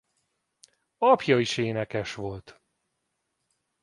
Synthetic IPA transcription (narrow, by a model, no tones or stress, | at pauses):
ɒpjɒiʃeːnɛkɛʃʋo̞lt̪